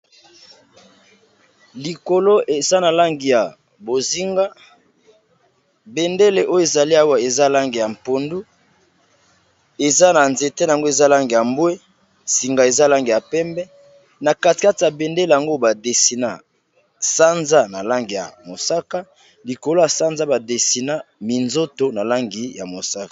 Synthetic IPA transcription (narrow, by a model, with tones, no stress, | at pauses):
li˨ko˨lo˦ʔe˨za˦na˨la˦ŋɡi˨ja˨ | bo˨zi˦ŋɡa˦ | be˨nde˦le˨ʔo˦jo˨e˨za˨li˦a˦wa˦e˨za˦˨la˦ŋɡi˨ja˨m̩˨po˨ndu˦ | e˨za˦na˨nze˨te˦na˨a˨ŋɡo˦e˨za˦˨la˦ŋɡi˨ja˨mbwe˦ | si˨ŋɡa˨e˨za˦˨la˦ŋɡi˨ja˨pɛ˦mbɛ˦ | na˨ka˦ti̥˨ka˦ti˨ja˨bɛ˨nde˦le˨ja˨ŋɡo˦ba˨de˨si˨na˦ | sa˦nza˦na˨la˦ŋɡi˨ja̰˨mo˨sa˦ka˦ | li˨ko˨lo˦ja˨sa˦nza˦ba˨de˨si˨na˦mi˨nzo˦to˨na˨la˦ŋɡi˨ja̰˨mo˨sa˦kḁ˨